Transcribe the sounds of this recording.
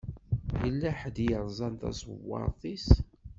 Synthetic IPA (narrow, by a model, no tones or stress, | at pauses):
jəlːæħəd̪jəɾˤzˤɑnt̪ɑ̰sˤwːɑ̰ɾˤðˤis